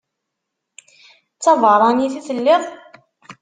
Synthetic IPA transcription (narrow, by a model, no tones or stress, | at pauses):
t͡sːɑvəɾˤɑniθiθəlːɪðˤ